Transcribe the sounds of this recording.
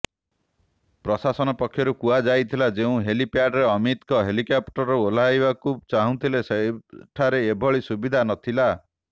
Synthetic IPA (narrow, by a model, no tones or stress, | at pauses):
pɾɔsasɔnɔpɔkʰːjɔɾukuad͡ʒajt̪ʰilad͡ʒeũɦelipjaɖɾeɔmit̪kɔɦelikapʈɔɾool̤ajbakut͡ʃaɦũt̪ʰileseʈʰaɾeːbʱɔɭisubid̪ʱanɔt̪ʰila